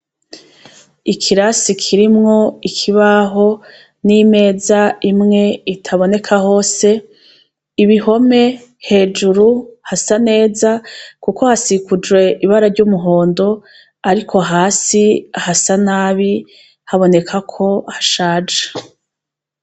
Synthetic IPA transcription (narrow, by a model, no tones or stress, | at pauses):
ikʰiɾasikʰiɾimŋo̞ikʰiβaɦo̞ | nime̞ːzaimŋe̞itʰaβo̞ne̞kʰaho̞ːse̞ | iβiho̞me̞ | he̞ːd͡ʒuɾuhasane̞ːzakuko̞hasikud͡ʒwe̞ʔiβaɾaɾɟuːmuɦo̞ːndo̞ | aɾikʰo̞ɦaːsiahasanaːβi | haβo̞ne̞kʰakʰo̞haʃaːd͡ʒḁ